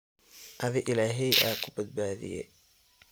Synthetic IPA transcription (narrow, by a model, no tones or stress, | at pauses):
ʔɐðɪʔɪlaːɦɛjʔaːkʰʊbɐd̪̚baːðɪ̰jɛ̰